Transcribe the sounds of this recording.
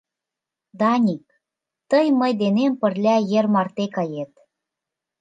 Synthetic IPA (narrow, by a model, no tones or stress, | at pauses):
d̪ɑnʲik̚ | t̪əjməjd̪enempə̆rlʲæjĕrmɑrt̪ekɑjet̪̚